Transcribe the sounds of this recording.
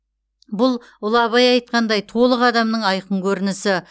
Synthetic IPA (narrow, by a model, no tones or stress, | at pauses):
bʊlˠ | ʊlˠɑβɑjɑjt̪̚qɑnd̪ɑjt̪ʰo̞lˠəqɑd̪ɑmnəɴɑjqəɴkʲʰɵɾɪnɪsɪ